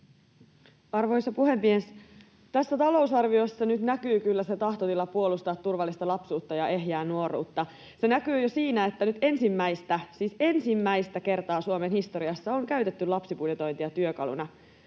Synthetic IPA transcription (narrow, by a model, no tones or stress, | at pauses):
ɑrʋo̞jsːɑpuhe̞mːies | t̪æsːæt̪ɑlo̞usɑrʋio̞sːɑnyt̪nækyːkylːæse̞t̪ɑht̪ot̪ilːɑpuolust̪ɑːt̪ːurʋɑlːist̪ɑlɑpsuːt̪ːɑjɑʔe̞ɦjæːnuo̞rṵːt̪ːɑ | se̞nækyːjosiːnæe̞t̪ːænyt̪e̞nsimːæist̪æsiːse̞nsimːæist̪æke̞rt̪ɑːsuomenhist̪o̞ɾiɑsːɑoŋkæyt̪e̞t̪ːylɑpsipuljet̪o̞jnt̪iɑt̪yøkɑ̰lṵnɑ